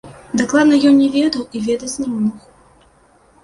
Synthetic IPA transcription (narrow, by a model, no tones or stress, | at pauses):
d̪ɐklˠad̪nɐjɔnnʲɛvʲɛd̪ɐwivʲɛd̪ɐt͡sʲnʲɐmɔnɔx